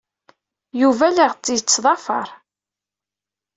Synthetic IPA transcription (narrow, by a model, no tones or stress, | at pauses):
juvæləʁt͡sːijt͡sːðˤɑfɑ̰ɾˤ